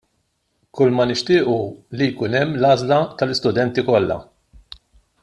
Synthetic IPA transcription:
kʊlmɐnɪʃt̪ɪːʔulijkʊːnɛmːlɐːzlɐt̪ɐlɪst̪ʊd̪ɛnt̪ikɔlːɐ̰

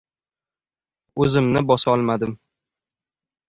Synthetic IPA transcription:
ɵzɪmnɪbɒsaɒlˠmad̪ɪm

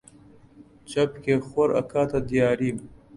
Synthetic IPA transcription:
t͡ʃɐpkexoɾɐ̰kaːt̪ad̪ijɑːɾiːm

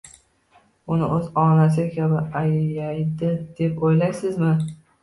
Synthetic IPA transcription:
ʊnɪʔɵzɒnas̬ɪkʲʰabɪajjajd̪ɪd̪̥epojlajsɪzmɪ

